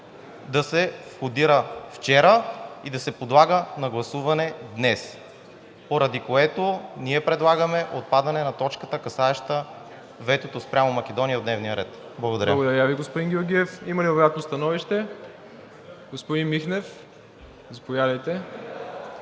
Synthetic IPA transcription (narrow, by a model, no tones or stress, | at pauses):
d̪ɐsɛfxod̪iɾəft͡ʃɛɾəid̪ɐsɛpod̪lˠaɡənɐɡlˠɐsuvɐnɛd̪nɛs | poɾɐd̪ikoɛt̪oniɛpɾɛd̪lˠaɡəmɛʔot̪̚pad̪ɐnɛnɐt̪ɔt͡ʃkət̪əkɐsaɛʃt̪ə | vɛt̪ot̪ospɾʲamomɐkʲɛd̪ɔnijəod̪nɛvnijəɾɛt̪ | blˠɡod̪ɐɾəɡod̪ɐɾjaviɡospod̪inɡʲoɾɡʲiɛfimɐlivojat̪nost̪ɐnɔviʃt̪ɛ | ɡospod̪inmixnɛf | zɐpovjad̪ɐjt̪ɛ